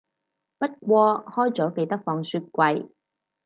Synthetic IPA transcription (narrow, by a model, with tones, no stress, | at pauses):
pɐ˥t̚kʷɔː˧hɔː˥jt͡sɔː˨˥ke˧jt̪ɐ˥k̚fɔː˧ŋsyː˧t̚kʷɐ˧j